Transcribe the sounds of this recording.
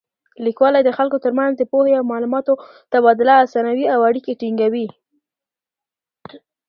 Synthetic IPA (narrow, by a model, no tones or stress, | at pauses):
likwɑlajd̪əxalkot̪əɾmanzd̪əpoheawmɑlumɑt̪o | t̪aβɑd̪ʊlaːsɑnawiawaɽikeʈiŋɡawi